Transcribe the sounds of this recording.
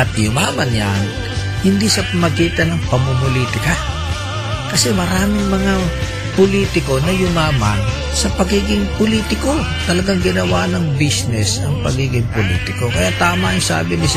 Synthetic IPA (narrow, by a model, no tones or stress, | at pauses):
ɐt̪jʊmaːmɐnja̰n | hɪnd̪isɐpɐmɐɡiːt̪ɐnɐŋpɐmomʊliːt̪ɪka | kɐsɛmɐɾaːmɪŋmɐŋa | pʊliːt̪ɪko̞nɐjʊmaːma̰n | sɐpɐɡiːɡɪŋpʊliːt̪ɪko̞ | t̪ɐlɐɡaŋɡɪnɐwanɐŋbisnɛsɐ̰ŋpɐɡiːɡɪŋpolḭːt̪ɪko̞kɐjaʔt̪aːmajʊsa̰ːbɪnɪs